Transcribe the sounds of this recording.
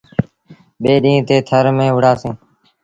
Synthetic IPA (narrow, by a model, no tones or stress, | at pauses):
ɓeːɗĩːt̪eːt̪ʰəɾmẽːɦʊɽaːsẽː